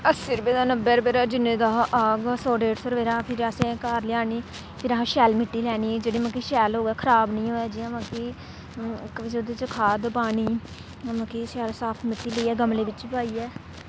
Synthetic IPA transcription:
əsɪɾbeːd̪aːnəbeːɾbeːɾaːd͡ʒɪnːẽːd̪aːʔaːɡsoːɖeːʈsəɾʋeːɾaːpʰɪɾasẽkaːɾlɪjaːniː | pʰɪɾəɦãːʃɛːlmɪʈːiːlɛːniːd͡ʒeːɽiːmãːkiʃɛːlɦoːɡɛːkʰəɾaːbnəĩːɦoːaːd͡ʒiːəmãːki | kʋɪt͡ʃod̪eːt͡ʃəkʰaːd̪paːniː | əmãːkiʃɛːlsaːpʰmɪʈːiːləiːɛːɡəmleːʋɪt͡ʃpaːiːɛː

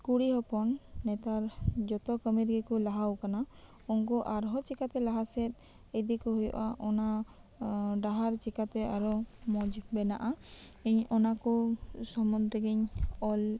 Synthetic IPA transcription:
kuɽiɦɔpɔnːɛt̪aɾd͡ʒɔt̪ɔkəmiɾɡɛkulaɦawkana | ɔŋkɔʔaɾɦɔt͡ʃikat̪ɛlaɦasɛt̪̚ | ɛd̪ikɔɦujɔ̰ʔaʔɔna | ɖaɦaɾt͡ʃikat̪ɛaɾɔmɔd͡ʒbɛnaʔa | iɲɔnakusɔmɔnd̪ɾɛɡiɲɔl

